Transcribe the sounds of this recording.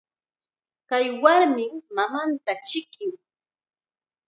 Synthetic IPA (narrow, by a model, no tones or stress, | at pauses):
kajwaɾmɪmːamant̪at͡ʃɪkɪŋ